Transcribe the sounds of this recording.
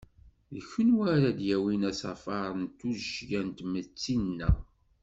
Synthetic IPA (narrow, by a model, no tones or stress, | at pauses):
ðəçənwæɾæd̪jæwinæsɑ̰fɑɾˤnt̪ːuʒjænt̪mət͡sːinːæ̰